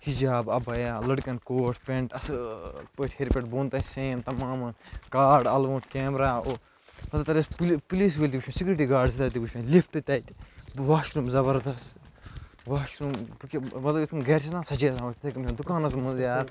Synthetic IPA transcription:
hid͡ʒaːbɐbɐjaːlɐɽkɐnkoːʈʰpʲẽɳʈɐsɨpɐʈʰheɾipeʈ̚boːnt̪ɐːseːnt̪ɐmaːmɐkaːɾɖɐlʋõːʈkeːmɾaːo | mɐt̪lɐt̪ɐɾesppuliːs̬ʋelʲt̪iɡut͡ʃʰmẽsikʲuɾiʈiːɡaːɾɖsit̪ɐɾt̪̬iɡut͡ʃʰmẽlip̚ʰʈɨt̪ʲaːit̪ʋaːʃɾumzɐbɐɾd̪ɐst̪ | ʋaːʃɾumkimɐt̪lɐbit̪ʰkɐmɡeːɾt͡ʃʰinãːsɐd͡ʒesãːot̪t̪ʰɐkɐmt͡ʃʰind̪ukaːnɐs̬mũnzjaːɾ

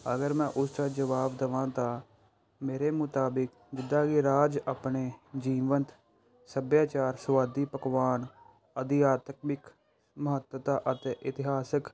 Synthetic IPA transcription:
ə̰ɡəɾmɛ̃ːʔʊst͡ʃaːd͡ʒəʋaːbd̪əʋãːt̪ãː | meːɾeːmʊt̪aːbɪk | d͡ʒɪd̪ãːɡiɾaːd͡ʒapneːd͡ʒiːʋənt̪ | səbjaːt͡ʃaːɾsʋaːd̪iːpəkʋaːn | əd̪ɪjaːt̪əkmɪk | məɦət̪ət̪aːʔət̪eːʔɪt̪ɪɦaːsək

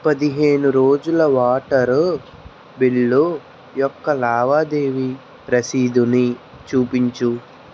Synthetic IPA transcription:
pɐd̪iɦeːnuɾoːd͡ʒulɐʋaːʈɐɾu | biɭːo | jɔkːɐlaːʋaːd̪e̞ːʋi | pɾɐsiːd̪uni | t͡ʃuːpiɲt͡ʃu

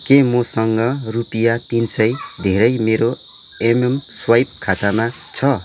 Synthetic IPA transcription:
kemosʌŋɡʌrupijat̪insʌjd̪ʱeɾʌjmeɾo | ememswajpkʰat̪ama | t͡sʰʌ

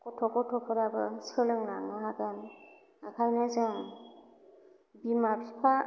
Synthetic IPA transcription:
kɔtʰɔkɔtʰɔpʰɔɾabɯsɯlɯŋlaŋaɦakɯn | akʰajnazɯŋ | bimapʰipʰa

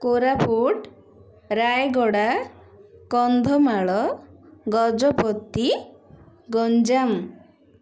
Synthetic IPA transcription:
koɾapʰuʈ | ɾajɡɔɽa | kɔnd̪ʱɔmaɭɔɡɔd͡ʒɔpɔt̪ːi | ɡɔnd͡ʒam

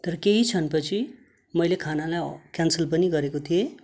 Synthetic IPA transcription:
t̪ʌɾʌkeɦit͡sʰʌnpʌt͡sʰi | mʌjlekʰanalajkjansəlp̬ʌniɡʌɾekot̪ʰije

